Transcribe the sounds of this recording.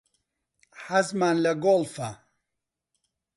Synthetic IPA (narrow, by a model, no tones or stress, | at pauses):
ħazmaːnlɐɡolfa